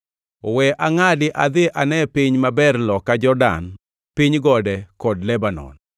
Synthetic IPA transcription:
ɔwɛʔaŋadɪʔad̪ɪʔanɛpiɲmabɛɾlɔkad͡ʒɔrda̰n | piɲɡɔdɛkɔdlɛbanɔ̰n

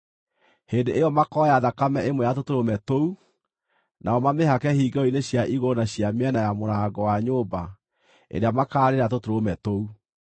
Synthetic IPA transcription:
heːndeʔejɔmakɔjaðakamɛemwɛjatotoɾomɛtou | naɔmameɦakɛhiːɡɔineɕjaʔiɣonaɕjamɛnajamoɾaːɡɔwaɲoːba | ḛɾeamakaːɾeɾat̬otoɾomɛtou

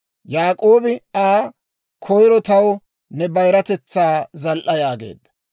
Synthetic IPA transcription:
jaːkʼo̞ːbɪaː | kʰɔjɾɔt̪ɐw | nɛbɐjɾɐt̪ɛt͡sːaːzɐlʔɐjaːɡe̞̰ːd̪ːɐ̥

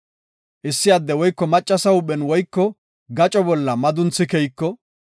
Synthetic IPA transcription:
ʔɪsːɪjad̪ːɛwɔjkːɔmɐt͡ʃʼːɐsɐʊɓɛnwɔjkːɔ | ɡɐt͡ʃʼɔbɔlːɐmɐd̪ʊnt͡sːɪkɛjkːɔ

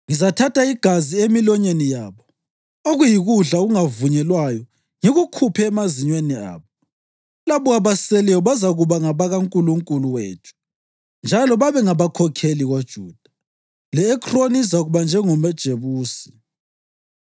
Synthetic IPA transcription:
ŋizatʰatʰaiɡ̥ʱaziemilɔɲenijaːβɔ | oɣujiɣuɮaɣuŋavuɲɛlwajɔ | ŋiɣukʰupʰɛːmaziɲwenia̰ːβɔ | laβɔɣaβasɛlɛwɔβazaɣuβaŋaβaɣaŋkʼuluŋkʼuluwḛːtʰu̥ | nd͡ʒʱalɔβaβɛŋaβakʰɔkʰeliɣod̥ʒ̥ʱuːd̥ʱa | lɛːkʰronisaɣuβand͡ʒʱɛŋɔmɛd̥ʒ̥ʱeβuːsi̥

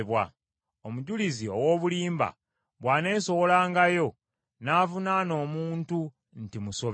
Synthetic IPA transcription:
βwa | omuɟulizio̞wo̞ːβuliːmba̰ | βwaːne̞ːso̞wo̞laːŋɡajo̞ | naːvunano̞ːmuːntu | n̩timuso̞β

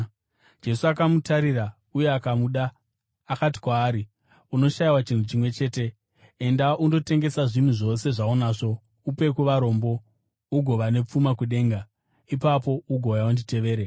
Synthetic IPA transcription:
d͡ʒe̞suakamutaɾira | ujeakamuɗaː | kati̥kwaːɾi | uno̞ʃajiwat͡ʃin̤ut͡ʃimwe̞t͡ʃe̞ːte̞ | endaundo̞te̞ŋɡe̞saʐin̤uʐo̞se̞ʐaonaːʐo̞ | upe̞kuʋaɾo̞ːmbo̞ | uɡʱo̞ʋane̞p͡fumakuɗe̞ːŋɡa | ipapo̞uɡʱojaundite̞ʋe̞ːɾe

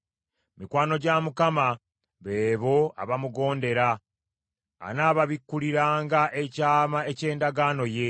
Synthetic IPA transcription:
mikwaːno̞ɟamukama | βeːβo̞a̰βamuɡo̞ːnde̞ɾa | naːβaβikːuliɾaːŋɡaʔe̞caːmae̞ce̞ːndaɡaːno̞je̞

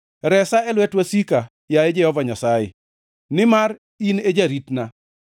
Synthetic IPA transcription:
ɾɛsaɛlwɛtwasika | jaed͡ʒɛhɔvaɲasajɛ̰ | nɪmar | ined͡ʒaɾitna

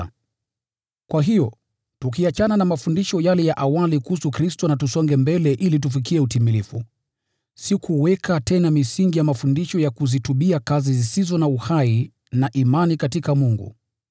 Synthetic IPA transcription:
kwaɦijɔ | tukiat͡ʃananamafundiʃɔjalɛjaʔawalikuhusukɾistɔnatusɔŋɡɛmbɛlɛʔilit̬ufik̬iɛutimilifu | sikʰuwɛkatɛnamisiŋɡijamafundiʃɔjakuzituɓiakazizisizɔnauhai | naʔimanikatikamuŋɡṵ

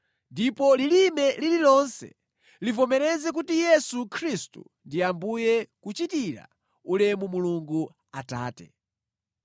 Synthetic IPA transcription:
ndipɔlilimɛlililɔnsɛ̰ | livɔmɛɾɛzɛk̬utijɛsukʰɾistṵ | ndiambujɛkut͡ʃitiɾa̰ | ulɛmumuluŋɡu | ata̰ːtɛ̥̰

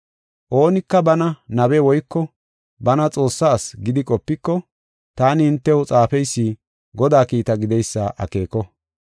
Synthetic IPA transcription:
ʔo̞ːnɪkːɐbɐnɐnɐbɛwɔjkːɔ | bɐnɐt͡sʼo̞ːsːaːsɡɪd̪ɪkʼɔpːɪkːɔ | t̪aːnɪɪnt̪ːɛwʊt͡sʼaːfɛjsːiː | ɡɔd̪aːkiːt̪ɐɡɪd̪ɛjsːaʔɐ̰ke̞ːkɔ

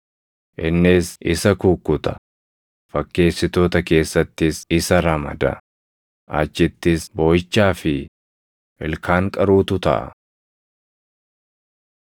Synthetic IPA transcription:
ʔɪnːɪsʔɪsɐkukːʊt̪ɐ̥ | fɐkːe̞ːsːɪt̪o̞ːt̪ɐke̞ːsːɐt̪ːɪsɪsɐɾɐmɐ̰d̪ɐ̰ | ʔɐ̰t͡ʃːɪt̪ːɪsboːjɪt͡ʃːaːfɪ | ʔɛlkʰaːŋkʼɐɾuːt̪ʊt̪ɐ̰ʔɐ̰

